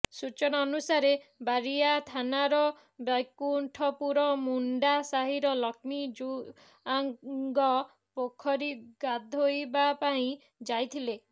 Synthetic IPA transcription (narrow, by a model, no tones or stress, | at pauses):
sut͡ʃɔnaɔnusaɾebaɾiat̪ʰanaɾɔ | bakuɳʈʰɔpuɾɔmuɳɖasaɦiɾɔlɔkʰmid͡ʒu | aŋɡɔ | pokʰːɔɾiɡad̪ʱojbapaĩ | d͡ʒajt̪ʰile